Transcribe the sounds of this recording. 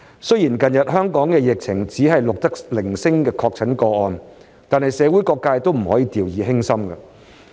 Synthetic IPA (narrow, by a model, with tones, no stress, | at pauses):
sɵ˥jiː˨˩nkɐ˨˧njɐ˨t̚ɦœː˥ŋkɔː˨˥ŋkɛː˧jɪ˨k̚t͡sʰɪ˨˩ŋt͡siː˨˥ɦɐ˨jlʊ˨k̚t̪ɐ˥k̚lɪ˨˩ŋsɪ˥ŋkɛː˧kʰɔː˧k̚t͡sʰɐ˨˥nkɔː˧ɔː˧n | t̪aː˨nhɐ˨jsɛː˨˧˥wu˨˥jkɔː˧kːaː˧jt̪o˥wm̩˨˩hɔ̰ː˨˥jiː˨˧t̪iː˨wjiː˨˧ɦɪ˥ŋsɐ˥mkɐ˧